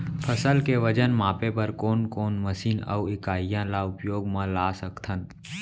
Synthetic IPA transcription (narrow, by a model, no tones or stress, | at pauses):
pʰəsəlkeʋəd͡ʒənmaːpepəɾkoːnkoːnməsiːnə̰wɪkaːijãlaʊpjoːɡmãlaːsəkt̪ʰənt̪